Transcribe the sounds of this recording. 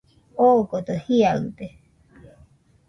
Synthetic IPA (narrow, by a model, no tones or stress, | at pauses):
okot̪ohiaɯt̪e